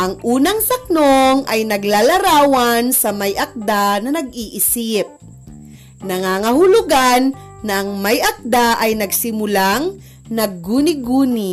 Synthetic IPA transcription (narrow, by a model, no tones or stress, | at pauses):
ʔɐŋʔuːnɐŋsɐk̚noŋʔɐjnɐɡlalɐɾaːwɐnsɐmɐjʔɐk̚d̪anɐnɐɡiːʔɪsɪp̚ | nɐŋaːŋɐhʊlʊɡanː | ɐʔɐŋmɐjʔɐk̚d̪aʔɐjnɐɡsɪmʊlaŋ | nɐɡːuːnɪɡuːnɪ